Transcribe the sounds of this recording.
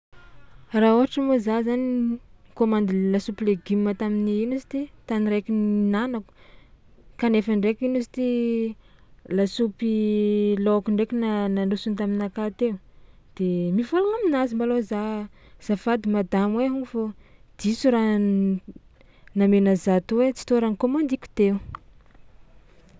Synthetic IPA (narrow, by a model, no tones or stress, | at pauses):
rauɦaʈ͡ʂəmozazanikomand̪ilasupileɡimmat̪aminiinusi̥t̪it̪aniɾekʲinnanaku̥ | kanefaɳɖ͡ʐekʲinusi̥t̪i | lasupiloakuɳɖ͡ʐekinanaɳɖ͡ʐusunt̪aminakat̪ew | d̪̥emifolaŋaminazimbaloza | z̥afad̪imad̪amweɦuŋufod̪̥isuɾa | namenəzat̪uwet͡si̥t̪oɾankomand̪iku̥t̪eu